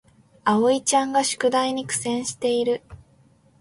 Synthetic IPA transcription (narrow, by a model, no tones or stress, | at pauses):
aoit͡ɕãŋɡaɕɨ̥kɯ̟d̪aiɲ̟ikɯ̟̥sẽ̞ɰ̃ɕi̥t̪e̞iɾɯ̟